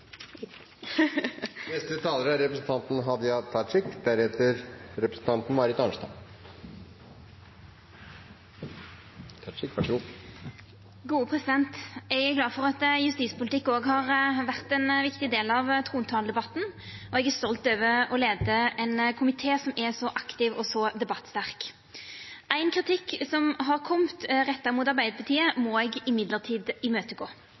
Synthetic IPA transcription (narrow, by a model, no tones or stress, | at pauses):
nɛst̪ət̪ʰɑːləɾəæɾɛpɾəsn̩t̪ʰɑnt̪n̩ɦɑd̪ɪɑt̪ʰɑɪkd̪æɾheːt̪əɾɾɛpɾəsn̩t̪ɑnt̪n̩mɑɾɪt̪ɑnʂt̪ɑ̰ | t̪ʰɑʂɪkʋæʂɡu | ɡuːəpʰʁɛsɪd̪ɛnt̪ɛɡæɾɡlɑːd̪fɔʁɑt̪jʉst̪iːspʊlt̪ɪkːoːɡɦɑʁʋæʁt̪ɛnʋɪkt̪ɪd̪eːlɑʋt̪ʰʁuːnt̪ʰɑːld̪ɛbɑt̪n̩ɔɛɡæʁst̪ɔlt̪øːʋəɔleːd̪əɛnkʰʊmɪt̪ʰeːsɔmɛsɔʔɑkt̪ɪʋɔsɔd̪ɛbɑt̪ːst̪æʁk | ʔæɪnkʰʁɪt̪ʰɪkːsɔmɦɑʁkʰɔmt̪ʁɛt̪ːəʁɾmuːt̪ɑʁbæɪd̪əpʰɑʁt̪ʰiːəmɔɛɡɪmɪd̪ləʁt̪ʰiːd̪ɪmøːt̪əɡoː